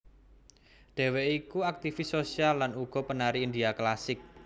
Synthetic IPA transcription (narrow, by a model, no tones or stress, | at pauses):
ɖ̪̥e̤weikuak̚t̪ifisosialːanuɡ̥ɔ̤pənaɾiːnd̪iaklasɪk̚